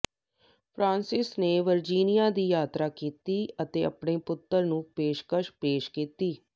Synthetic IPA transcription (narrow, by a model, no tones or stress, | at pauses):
pʰɾãːnsɪsneːʋəɾd͡ʒiːnɪjaːd̪iːjaːt̪ɾaːkiːt̪iːət̪eːə̰pɳeːpʊt̪ːəɾnũːpeːʃkəʃpeːʃkiːt̪iː